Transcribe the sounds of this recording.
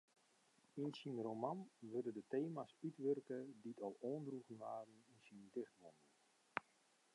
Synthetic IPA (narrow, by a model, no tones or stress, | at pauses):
insinromanʋødədəteːmasytʋørkəditʰɔlˠoːndruɣənʋaːrn̩insindɪxtʋɔndən